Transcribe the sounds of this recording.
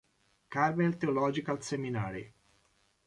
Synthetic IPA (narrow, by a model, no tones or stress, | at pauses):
kaɾmelt̪eolɔːd͡ʒikalseminaːɾḭ